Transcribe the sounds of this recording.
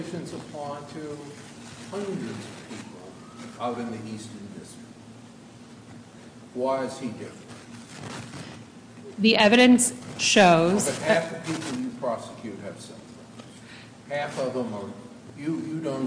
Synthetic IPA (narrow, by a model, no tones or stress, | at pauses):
ʃɨ̃nzəpʰɑ̃ntʰɨ | hʌ̃ndɹɨdzʌv̥pʰipl̩ˠ | aʊɾɨ̃nðiʔistə̃ndɪstɹ̥ɪk̚t̚ | waɪɨz̥idɪfɹɨ̃ntn | ðiʔɛvɨɾɨ̃nsʃoʊzzɨhæfʌv̥pʰipl̩ˠjɨpʰɹ̥ɑsɨ̥kʰj̥ʉɾt̚ɨv̥sɛ̰ | hæfʌvə̃mə˞ | jɨjɨdõʊ̃n